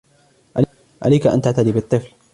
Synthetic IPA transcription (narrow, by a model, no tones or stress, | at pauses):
ʔal | ʔa̰lajkaʔa̰nt̪aʕt̪ad̪iːbɪt̪ˤːɨfl